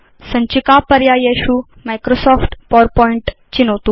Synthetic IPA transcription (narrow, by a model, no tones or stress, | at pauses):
sə̃ɲt͡ɕikapəɾjajeɕuː | majkɾosɔfʈpɔɾpɔiɳʈ | t͡ɕinot̪ũ